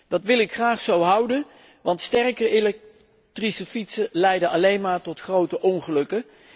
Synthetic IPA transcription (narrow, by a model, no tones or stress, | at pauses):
d̥ɑtʋɪlˠɪkχraːχsowɦʌwdən | ʋɑntstɛrkərelɛk̚ | trisəfitsəlɛjdənɑlejnmaːɹtɔtχrowtəʔɔŋχəlɵkə